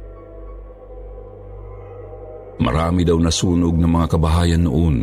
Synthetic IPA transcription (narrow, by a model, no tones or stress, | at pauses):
ma̰ɾaːmid̪awnasuːnʊɡ̚nɐmɐŋakɐbaɦaːjanːʊʔon